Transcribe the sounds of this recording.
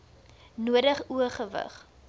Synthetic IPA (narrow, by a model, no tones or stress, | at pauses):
nuədəχuəχəvə̰χ